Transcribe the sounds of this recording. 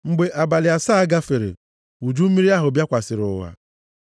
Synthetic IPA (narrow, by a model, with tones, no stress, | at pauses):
ŋ͡m̩˨ɡ͡be˦ʔa˨ba˨lɪ˨a˨saː˦a˦ɡa˦fe˨ɾḛ˨ | u˨d͡ʒu˦mi˦ɾi˦a˦ɦʊ˨bja˦kʷa˨sɪ˨ɾʊ̰˨wa̰˨